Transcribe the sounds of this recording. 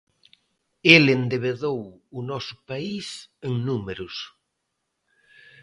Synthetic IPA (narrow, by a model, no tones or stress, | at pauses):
elend̪eβ̞eðowʊnɔsʊ̥paiseŋnumeɾʊs